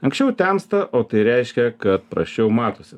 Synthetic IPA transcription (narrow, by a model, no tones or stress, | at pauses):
ɐŋksʲt͡ʃʲɛʊt̪ʲæmst̪ɐʔoːt̪ɐɪɾʲɛɪʃʲkʲɛkɐt̪̚pɾɐ̰sʲt͡ʃʲɛʊmɑːt̪oːsʲɪ